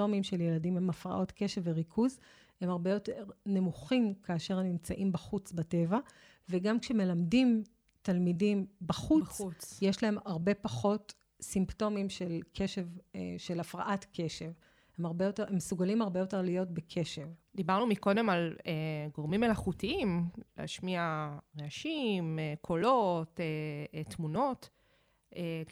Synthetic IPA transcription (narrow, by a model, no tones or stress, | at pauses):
o̞mimʃeljeladimhemafʁa̰ʔo̞tke̞ʃeveʁikʰuz | he̞maʁbejo̞teʁne̞muχimkaːʃe̞ʁmnimt͡saʔimbaχut͡sbate̞va | veɡamkʃeme̞lamdim | talmidimbaχut͡sjeʃlaɦe̞maʁbe̞paχo̞t | simpto̞mimʃelkʰe̞ʃe̞vḛʃelafʁaʔatkʰe̞ʃe̞v | hemaʁbejoteemːesuɡalimhaʁbe̞jo̞te̞ʁlijo̞tbekʰe̞ʃe̞vd̪ibaʁnumiko̞de̞maleɡoʁmimelaχutiimlḛa̰ʃmiaʁeaʃimekʰolotet̪muno̞t | e